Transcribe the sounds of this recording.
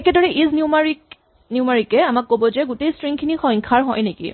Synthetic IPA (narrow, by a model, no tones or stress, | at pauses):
ɛkɛdɔɹɛʔiznjumaɹik | njumaɹikɛamakːobɔzɛɡutejstɹiŋkʰinixɔ̃ŋkʰaɹɦɔjnekḭ